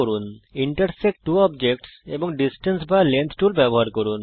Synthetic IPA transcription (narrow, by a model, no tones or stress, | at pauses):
oɾuniɳʈəɾsek̚ʈuɔbd͡ʑek̚ʈsebɔŋɖisʈənsbalent̪ʰʈulbɛbɔɦaɾkoɾun